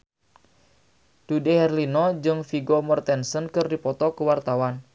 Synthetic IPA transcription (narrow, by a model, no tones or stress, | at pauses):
d̥udehɛrlinɔd͡ʒɨŋfiɡɔmɔrt̪ɛnsənkɨrdipɔt̪ɔkəwart̪awan